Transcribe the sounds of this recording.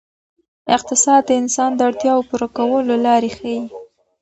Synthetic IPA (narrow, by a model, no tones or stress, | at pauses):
ɪq̚t̪ɪsɑd̪̚d̪əɪnsɑnd̪əaɽt̪jɑwopuɾakawəlolɑɾexaji